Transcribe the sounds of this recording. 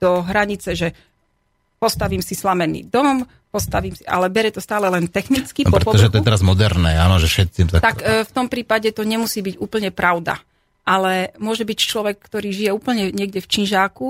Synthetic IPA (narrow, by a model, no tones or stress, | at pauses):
d̪̥ɔɦɾaɲit͡sɛʒɛ | pɔst̪aʋiːmsislamɛnḭːd̪ɔm | pɔst̪aʋiːmsiʔa̰lɛbɛɾɛt̪ɔst̪aːlɛlɛnt̪ɛxnit͡skinpɔɾɛɔt̪ɔʒɛt̪ɔɛɛɾazmɔd̪ɛɾnɛːaːnɔʒɛfʃɛt̪simt̪at̪akft̪ɔmpɾiːpaɟɛt̪ɔɲɛmusiːbiɟuːpl̩ɲɛpɾaʊd̪a̰ | ʔalɛmʊɔʒɛbict͡ʃlɔʋɛkːt̪ɔɾiːʒijɛuːpl̩ɲɛɲɪɛɡɟɛft͡ʃinʒaːku